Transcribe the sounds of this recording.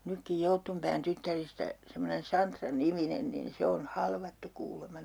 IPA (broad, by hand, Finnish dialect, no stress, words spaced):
nykːij joutːumpæːn tytːæristæ semːonen sɑntrɑniminen nin se on hɑlʋɑtːu kuːlemɑ